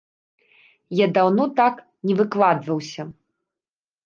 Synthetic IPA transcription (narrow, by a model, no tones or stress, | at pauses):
jad̪awnɔt̪ak | nʲɛvɨklˠad̪vɐwsʲɐ